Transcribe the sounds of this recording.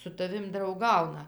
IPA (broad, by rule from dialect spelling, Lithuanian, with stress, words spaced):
sʊ tɐˈʋʲɪm drɐʊˈɡɐʊnɐ